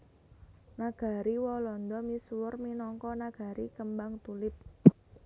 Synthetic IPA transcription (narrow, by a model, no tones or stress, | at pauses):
naɡ̥a̤ɾiwɔlɔnd̪ɔmiswʊrminɔŋkɔnaɡ̥a̤ɾikəmbaŋt̪ulɪp̚